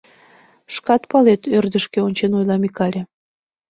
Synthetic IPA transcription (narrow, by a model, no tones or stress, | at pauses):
ʃkɑt̪pɑlet̪ørd̪ə̆ʃkeonʲt͡ɕenojlˠɑmikɑlʲe